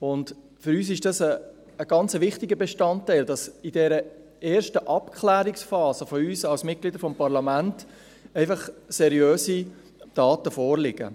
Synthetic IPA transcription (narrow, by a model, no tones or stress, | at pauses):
ʊnd | fʏɾyːsɪʃd̥ɑsəː | ɡ̥ɑnt͡səʋɪχtɪɡəbeʃtɑntːɛɪldɑsɪdɛɾə | eːɾʃtəʔɑpkʰχlæːɾɪksfɑːsəfɔyːsɑlsmɪt̚ɡ̥lidəɾfɔmpɑɾlɑmænt | ɛɪfɑχsɛɾiøːsi | d̥ɑːtəfɔːɾlɪɡ̥ə̰